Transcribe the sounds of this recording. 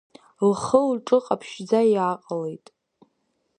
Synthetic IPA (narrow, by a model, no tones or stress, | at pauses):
lχəlʈ͡ʂʼɨqʼapʰʃd͡zajaqʼalejtʼ